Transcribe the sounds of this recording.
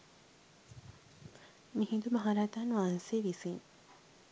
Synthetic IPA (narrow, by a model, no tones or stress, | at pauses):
mihid̪umɐɦaːɾaːt̪aːnʋaːnseːʋisiŋ